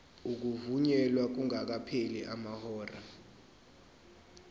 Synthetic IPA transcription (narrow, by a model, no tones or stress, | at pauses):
uk̬uvuɲɛlwak̬uŋak̬apʰeliʔamahɔːra